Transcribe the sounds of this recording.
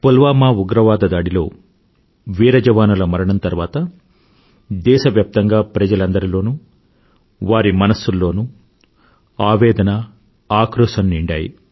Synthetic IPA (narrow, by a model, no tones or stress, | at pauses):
pulʋaːmaːuɡɾɐʋaːd̪ɐd̪aːɽilo̞ː | ʋiːɾɐd͡ʒɐʋaːnulɐmɐɾɐɳɐnt̪ɐɾʋaːt̪ɐ | d̪ɛːʃɐʋjaːp̚t̪ɐŋɡaːpɾɐd͡ʒɐlɐnd̪ɐɾilo̞ːnu | ʋaːɾimɐnɐsːulːo̞ːnu | aːʋɛːd̪ɐnɐ | aːkɾɔːʃɐnniɳɖaːjḭ